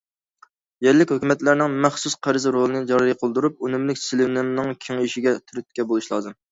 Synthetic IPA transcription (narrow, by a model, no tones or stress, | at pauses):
jɛɾlːɪkʲhøkʲymɛt̪læɾnɪŋmæχsusqʰæɾɨzɾolˠɨnɨd͡ʒɑɾijqʰəlˠd̪uɾup̚unɪmlɪkʲsɪlɪnɪmnɪŋkʲʰeŋiʃiɡʲɛt̪ʰyɾyt̪̚kʲɛbolˠuʃlˠɑ̰ːzɨm